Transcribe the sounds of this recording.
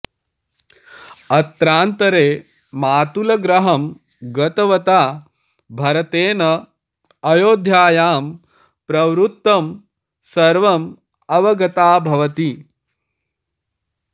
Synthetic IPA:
ɐt̪ɾaːnt̪ɐɾeː | maːt̪ulɐɡɾɐɦɐm | ɡɐt̪ɐʋɐt̪aː | bʱɐɾɐt̪eːnɐ | ɐjoːd̪ʱjaːjaːm | pɾɐʋɾut̪ːɐm | sɐɾʋɐm | ɐʋɐɡɐt̪aːbʱɐʋɐt̪i

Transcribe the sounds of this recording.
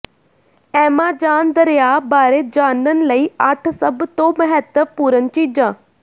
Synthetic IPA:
ɛːmãːd͡ʒaːnd̪əɾejaːbaːɾeːd͡ʒaːnənləiːəʈʰsəbt̪õːməɦɛt̪əpuːɾənt͡ʃiːd͡ʒãː

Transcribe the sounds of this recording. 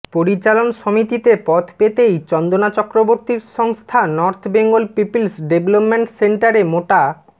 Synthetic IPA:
poɾit͡ɕalonʃomit̪it̪epɔt̪ʰpet̪ejt͡ɕɔnd̪onat͡ɕɔkɾoboɾt̪iɾʃɔŋst̪ʰanɔɾt̪ʰbeŋɡolpipilsɖeblopmeɳʈseɳʈaɾemoʈa

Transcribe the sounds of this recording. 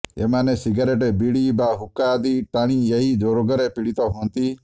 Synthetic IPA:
eːmãːneːsɪɡaːɾeːʈebiɽiːbaːɦʊkːaːd̪iːʈaːɽ̃ĩːeɦiːd͡ʒoːɾoɡəɾeːpɪɽit̪oːɦõːnt̪iː

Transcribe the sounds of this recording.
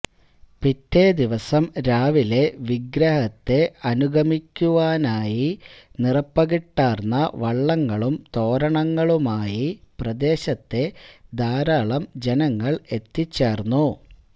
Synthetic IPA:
pitːed̪iʋɐsɐmɾaːʋile̞ʋiɡɾɐɦɐt̪ːe̞ɐnuɡʱɐmikʲːuʋaːnaːjinirɐpːɐɣiʈːaːrnːɐʋɐɭːɐŋːɐɭumt̪o̞ːɾɐɳɐŋːɐɭumaːjiprɐd̪e̞ːɕɐt̪ːe̞d̪aːɾaːɭɐmd͡ʑenɐŋːɐɭe̞t̪ːit͡ɕːeːrnːu

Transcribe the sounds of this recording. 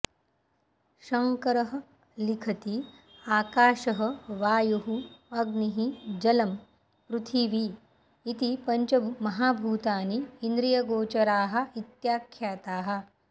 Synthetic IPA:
ʃɐŋkɐɾɐɦɐ̆ | likʰɐt̪i | aːkaːʃɐɦɐ̆ʋaːjuɦuɐɡniɦid͡ʒɐlɐm | pɾut̪ʰiʋi | it̪ipɐɲt͡ʃɐmɐɦaːbʱuːt̪aːniːnd̪ɾijɐɡoːt͡ʃɐɾaːɦɐ̆it̪jaːkʰːjaːt̪aːɦɐ̆

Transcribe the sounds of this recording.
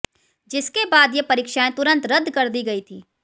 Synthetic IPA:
d͡ʒɪskebaːd̪jepɐɾiːkʃaːẽt̪ʊɾə̃nt̪ɾɐd̪ːkɐɾd̪iɡɐit̪ʰiː

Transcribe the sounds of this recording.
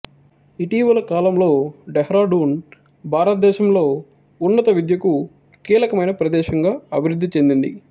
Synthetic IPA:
iʈiːʋɐlɐkaːlɐmlo̞ːɖɛɦɾaːɖuːn | bʱaːɾɐt̪ɐd̪ɛːʃɐmlo̞ː | unːɐt̪ɐʋid̪jɐku | kiːlɐkɐmɐjnɐpɾɐd̪ɛːʃɐŋɡaːɐbʱiɾud̪ʱːit͡ʃe̞nd̪ind̪ḭ

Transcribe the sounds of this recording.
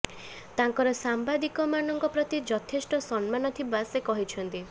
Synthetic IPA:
t̪aŋkɔɾɔsambad̪ikɔmanɔŋkɔpɾɔt̪id͡ʒɔt̪ʰesʈɔsɔnmanɔt̪ʰibasekɔɦit͡ʃʰɔnt̪i

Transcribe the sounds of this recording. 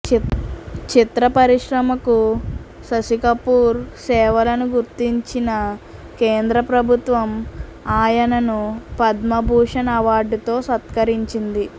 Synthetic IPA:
t͡ʃit̪ɾɐpɐɾiʂɾɐmɐku | sɐsikɐpuːɾsɛːʋɐlɐnuɡuɾt̪iɲt͡ʃinɐkeːnd̪ɾɐpɾɐbʱut̪ʋɐmaːjɐnɐnupɐd̪mɐbʱuːʂɐnɐɐʋaːɾɖut̪o̞ːsɐt̪kɐɾiɲt͡ʃind̪i

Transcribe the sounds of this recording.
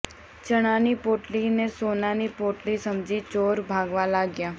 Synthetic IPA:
t͡ʃəɽ̃aːnipoːʈlinesoːnaːnipoːʈlisəmd͡ʒit͡ʃoːɾbʱaːɡʋalaːɡjaː

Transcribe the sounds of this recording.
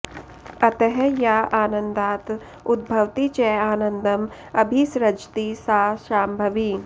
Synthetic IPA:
ɐt̪əɦɛjaaːnə̃nd̪aːt̪ | ʊd̪̚bʱɐʋt̪it͡ʃɛːaːnə̃nd̪əm | ɐbʱisɾɐd͡ʒt̪isaːʃaːmbʱɐʋi

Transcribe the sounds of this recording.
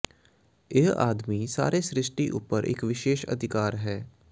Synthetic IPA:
eɦa̰ːd̪miːsa̰ːɾeːsɾɪʃʈiʔʊ̰pːəɾʔɪ̰kʋɪʃeːʃə̰d̪ʱɪkaːɾɦɛː

